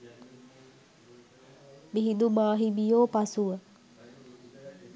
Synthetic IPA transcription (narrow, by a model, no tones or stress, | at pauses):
biɦid̪umaɦibijopasuə